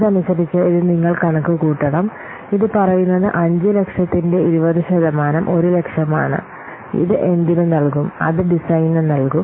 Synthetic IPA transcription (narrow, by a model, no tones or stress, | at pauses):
ðɐnisɐbit͡ɕːɨiðɨniŋːɐɭkɐɳɐkːukuːʈːɐɽɐm | iðɨpɐrɐjunːɐðɨʔɐɲd͡ʑɨle̞kʂɐt̪ːinde̞iɾubɐðuɕɐðɐmaːnɐmʔo̞ɾule̞kʂɐma̰ːɳɨ̰ | ḭðɨʔe̞nd̪inunɐɭkumɐ̰ðɨɖisɐjnɨnɐlkum